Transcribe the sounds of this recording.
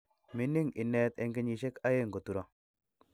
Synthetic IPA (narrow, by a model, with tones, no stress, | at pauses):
mɪ˦nɪ˦ŋɪ˨nɛ˦t̪ɛ˦ŋɡɪ˦ɲi˨ʃe˦ka˦je˦˨ŋɡo˨tu˨ɾɔ˦